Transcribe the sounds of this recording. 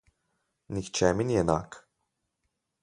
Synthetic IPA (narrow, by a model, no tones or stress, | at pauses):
nixt͡ʃɛminjɛna̰ːk